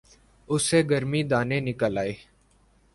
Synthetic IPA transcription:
ʊseːɡəɾmiːd̪aːneːnɪkəlaːeː

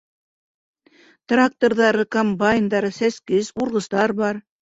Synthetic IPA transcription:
t̪rak̚t̪orðɑɾɤkombaɪnd̪ɑɾɤsæskɘzuɾʁɤ̆st̪ɑɾbɑɾ

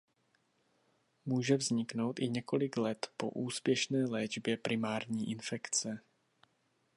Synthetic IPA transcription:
muːʒɛvzɲɪkno̞wt̪ʔɪɲɛko̞lɪklɛt̪po̞̰ʔuːspjɛʃnɛːlɛːd͡ʒbjɛpɾʔɪmaːɾɲiːʔɪnfɛkt͡sɛ

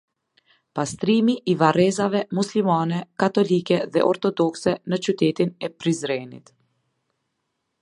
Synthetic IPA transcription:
past̪ɾimiʔivaɾɛzavɛmuslimanɛkat̪ɔlikɛðɛ̰ʔɔɾt̪ɔd̪ɔksɛnət͡ʃut̪ɛt̪inɛpɾizɾɛnḭt̪

